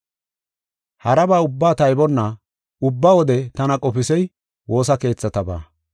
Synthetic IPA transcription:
hɐɾɐbaːʊbːaːt̪ɐjbɔnːɐ | ʊbːawɔd̪ɛt̪ɐnɐkʼɔpɪsɛj | wʔo̞ːsɐke̞ːt͡sːɐt̪ɐba̰ː

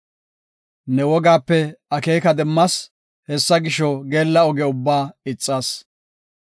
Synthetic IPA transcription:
nɛwɔɡaːpːɛɐkeːkɐd̪ɛmːɐs | hɛsːɐɡɪʃɔɡe̞ːlːɐɔɡɛʊbːaːɪt͡sʼːaːs

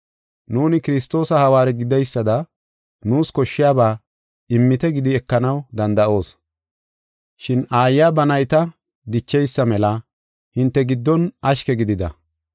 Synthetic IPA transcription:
nuːnɪkɪɾɪst̪o̞ːsɐhɐwaːɾɛɡɪd̪ɛjsːɐd̪ɐ | nuːskɔʃːɪjaːbaː | ɪmːɪt̪ɛɡɪd̪ɪɛkːɐnɐwd̪ɐnd̪ɐʔo̞ːs | ʃɪnaːjːaːbɐnɐjt̪ɐ | d̪ɪt͡ʃːɛjsːɐmɛlɐ | hɪnt̪ːɛɡɪd̪ːɔnʔɐʃkɛɡɪd̪ɪd̪ɐ̰

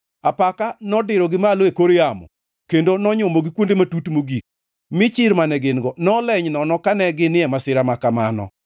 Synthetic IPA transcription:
apakanɔdɪɾɔɡɪmaloekoɾjamɔ̰ | kendonɔɲʊmoɡɪkwondematutmoɡik̚ | mɪt͡ʃɪɾmanɛɡɪnɡɔnɔlɛɲnɔnɔkanɛɡɪnɪɛmasɪɾamakama̰nɔ̰

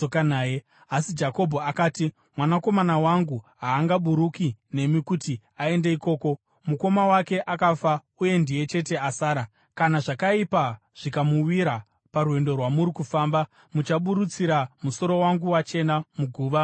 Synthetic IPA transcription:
okanaːje | asid͡ʒako̞bʱoakaːti | mwanako̞manawaŋɡuɦaːŋɡaɓuɾukine̞mikuti | ae̞ndeiko̞ːko̞ | muko̞mawake̞ʔakafa | uje̞ndije̞t͡ʃe̞te̞asaːɾa | kanaʐakaipa | ʐ̥ikamuwiɾa | paɾuwe̞ndo̞rwamuɾikufaːmba | mut͡ʃaɓuɾut͡siɾamuso̞ɾo̞waŋɡuwat͡ʃe̞namuɡʱuːʋa

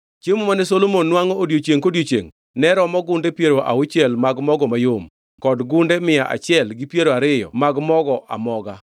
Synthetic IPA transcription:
t͡ʃemomanɛsolomonːwaŋɔodjot͡ʃeŋkodjot͡ʃḛŋ | nɛɾɔmɔɡʊndepjeɾoʔa̰ʊt͡ʃjɛlmaɡmɔɡɔmajom | kɔdɡʊndemɪjaʔa̰t͡ʃɪɛlɡɪpjeɾoaɾɪjɔ̰maɡmɔɡɔʔa̰mɔɡa

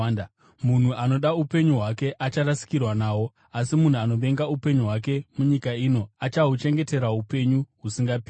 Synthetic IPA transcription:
mun̤uʔano̞ɗaupe̞ɲuɦwake̞ʔat͡ʃarasi̥kirwanaːwo̞ | asimun̤uano̞ʋe̞ŋɡaupe̞ɲuɦwak̬e̞muɲikaino̞at͡ʃaɦut͡ʃe̞ŋɡe̞te̞ɾaupe̞ɲuɦusiŋɡapː

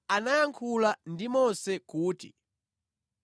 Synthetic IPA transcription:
anajaŋkʰulandimɔnsɛkuːtḭ

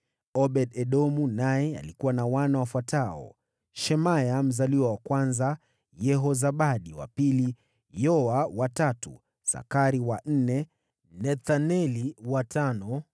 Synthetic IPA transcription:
ɔɓɛɗɛɗɔmunajɛa̰likuwanawanawafwataɔ̰ | ʃɛmajam̩zaliwawakwanza | jɛɦɔzaɓaɗiwa̰pili | jɔawatatṵ | sa̰kaɾiwan̩nɛ | nɛθanɛliwatʰanɔ

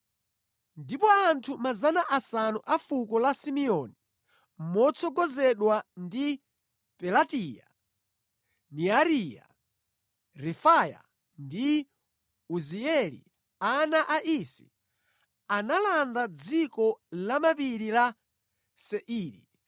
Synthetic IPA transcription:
ndipɔantʰumazanaʔasanuʔafukɔlasimiɔni | mɔt͡sʰɔɡɔzɛɗwandi | pɛlatija̰ | niaɾija̰ | ɾɛfaja̰ | ndi | uziɛlḭ | anaʔaʔisi̥̰ | analandad͡zikɔlamapiɾila | sɛʔiːɾḭ

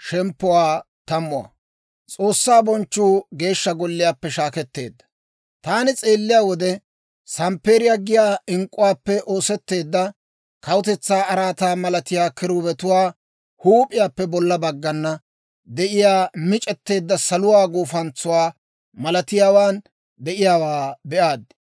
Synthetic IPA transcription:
ʃɛmpːʊwaː | t̪ɐmːʊɐ̰ | t͡sʼo̞ːsːaːbɔnt͡ʃːuːɡe̞ːʃːɐɡɔlːɪjaːpːɛʃaːkɛt̪ːe̞̰ːd̪ːɐ̥ | t̪aːnɪt͡sʼe̞ːlːɪjaːwɔd̪ɛ | sɐmpe̞ːɾɪjaːɡɪjaːɪŋkʼːʊwaːpːɛʔoːsɛt̪ːe̞ːd̪ːɐ | kɐwʊt̪ɛt͡sːaːɐɾaːt̪aːmɐlɐt̪ɪjaːkɪɾuːbɛt̪ʊwaː | huːpʼɪjaːpːɛbɔlːɐbɐɡːɐnːɐ | d̪ɛʔɪjaːmɪt͡ʃʼɛt̪ːe̞ːd̪ːɐsɐlʊwaːɡuːfɐnt͡sʊwaː | mɐlɐt̪ɪjaːwaːn | d̪ɛʔɪjaːwaːbɛʔaːd̪ɪ

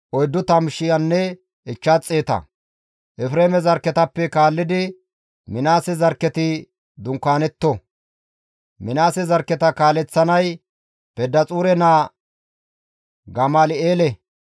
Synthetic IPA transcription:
ʔɔjd̪ːʊt̪ɐmʃɪjɐnːɛ | ɪt͡ʃːat͡sʼːe̞ːt̪ɐ̰ | ʔɛfɾeːmɛzɐɾkːɛt̪ɐpːɛkaːlːɪd̪ɪ | mɪnaːsɛzɐɾkːɛt̪ɪ | d̪ʊŋkːaːnɛt̪ːɔ | mɪnaːsɛzɐɾkːɛt̪ɐkaːlɛt͡sːɐnɐj | pɛd̪ːɐt͡sʼuːɾɛnaː | ɡɐmaːlɪeːlɛ

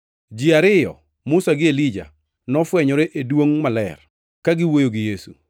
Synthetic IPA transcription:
d͡ʒiaɾɪjɔ̰ | mʊsaɡɪelid͡ʒa̰ | nɔfwɛɲɔɾeʔedwoŋmalɛ̰r | kaɡɪwojoɡɪjesṵ

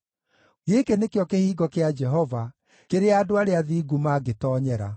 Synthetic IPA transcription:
ɣekenekeɔkehiːɡɔkead͡ʒɛɦɔva | keɾeaːdoaɾeaðiːɡumaɡetɔːɲɛɾa̰

